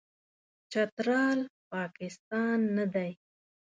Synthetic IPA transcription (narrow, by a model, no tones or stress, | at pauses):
t͡ʃat̪ɾɑlpɑkɪst̪ɑnːad̪aj